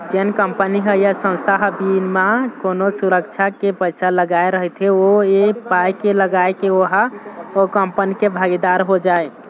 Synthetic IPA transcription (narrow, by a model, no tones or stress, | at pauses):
d͡ʒenkəmpəniɦəjasə̃nst̪ʰaɦbinmakonosuɾəkt͡ʃʰakepəjsaləɡaeɾəɦət̪ʰeoepajkeləɡajkeoɦaokəmpənikebʱaɡid̪aɾɦod͡ʒae